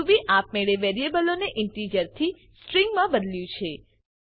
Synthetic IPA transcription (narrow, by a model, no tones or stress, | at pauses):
ubiʔapmeɭeʋeɾiebəloneʔɪɳʈɾid͡ʒəɾt̪ʰi | sʈɾiŋɡmãbəd̪ljũt͡ʃʰe